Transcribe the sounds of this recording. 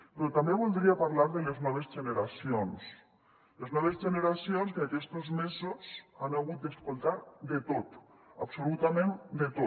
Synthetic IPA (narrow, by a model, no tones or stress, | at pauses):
pɾot̪ambeβolˠd̪ɾiapaɾlaɾðeleznɔβ̞ezʒeneɾasions | leznɔβ̞ezʒeneɾasjonskeakɛst̪ozmezosanaɣut̪̚d̪eskolˠt̪aɾd̪et̪ot̪ | apsolut̪amẽnd̪et̪o